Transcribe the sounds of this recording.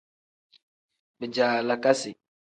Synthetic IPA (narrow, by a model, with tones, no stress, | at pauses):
bə˨d͡ʒa˨la˨ka˦si˨